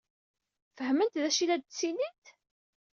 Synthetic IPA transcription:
fəhmənt̪ðæʃilæd̪̚sinit̪

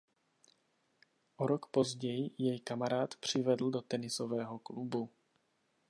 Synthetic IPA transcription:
ʔoɾokpo̞zɟɛjɪjɛjkamaɾaːt̪pr̝̥ɪvɛdl̩dot̪ɛnɪsovɛːɦo̞klubu

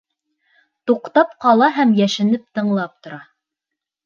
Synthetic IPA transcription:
t̪uqt̪ɑpqɑlˠɑɦæmjæʃɘ̆nɘp̚t̪ɤ̆ɴlˠɑp̚t̪ŏɾɑ

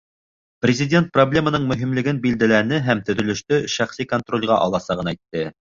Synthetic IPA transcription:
prʲɪzʲɪdʲe̞nt̪̚problʲe̞mənɤɴmɵ̆ɦimlɘ̆ɡɘnbild̪ælænɘɦæmt̪ɵ̆ðɵ̆lɵ̆ʃt̪ɵʃæχsikont̪rolʲʁɑʔɑ̰lˠɑsɑʁɤ̆næjt̪ːɘ

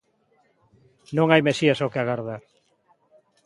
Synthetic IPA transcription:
nõŋajmesiasokeaɣaɾðaɾ

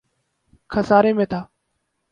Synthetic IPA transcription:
kʰəsaːɾeːmẽːt̪ʰaː

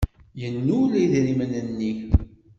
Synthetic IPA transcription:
jənːulæðɾimənənːi

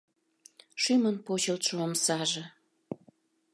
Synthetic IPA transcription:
ʃymənpot͡ɕəlt̪ʃoːmsɑʒĕ

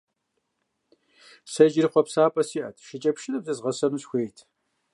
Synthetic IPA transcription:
sɐʒɪrχʷɔpsaːpʼɐsiːʔɐ̰tʰʃɪt͡ʃʼɐpʃɪnɐbzɐzʁɐsɐmɨsxʷeːjtʰ

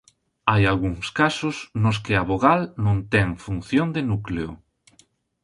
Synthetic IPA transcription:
ajalɣuŋskasʊsnʊs̬kɪaβoɣalnõnt̪ɛŋfunθjond̪enukleʊ

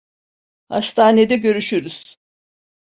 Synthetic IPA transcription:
ha̰ʃt̪ʰaːne̞d̪ɛɟø̞ɾyʃyɾyz̥

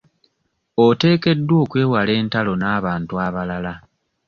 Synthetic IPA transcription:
ote̞ːke̞dːwo̞ːkwe̞ːwale̞ːntalo̞naːβaːntuaβalala

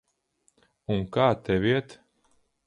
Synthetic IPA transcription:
unkaːt̪ɛvʲiɛt̪

